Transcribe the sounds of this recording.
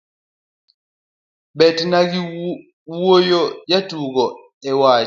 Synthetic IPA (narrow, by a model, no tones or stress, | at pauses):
bɛtnaɡi | wuwojɔjatuːɡɔ | ɛwa